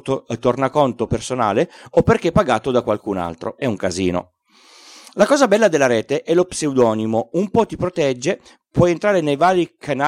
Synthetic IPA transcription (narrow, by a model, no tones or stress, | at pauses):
t̪ot̪ornakont̪opersona̰ːleopːerk̟epːaɡaːt̪od̪akwalkuna̰lt̪ɾo̰ɛuŋkazḭːno̰ | lakɔːzabɛlːad̪elːaɾɛːt̪eʔɛlopseud̪ɔːnimoumpɔt̪ipɾot̪ɛd͡ʒːe | pwɔjent̪ɾaːɾenejvaːɾikʰana